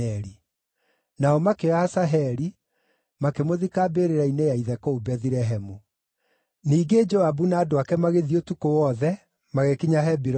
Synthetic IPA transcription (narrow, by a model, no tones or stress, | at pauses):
ɛɾi | naɔmakeaːsaɦɛɾi | makemoðikabeɾeɾainejaiðɛkoubɛðiɾɛɦɛmu | niːɡed͡ʒɔabunaːdoakɛmaɣeðiotukowɔðɛ | maɣekiɲaɦɛbiɾ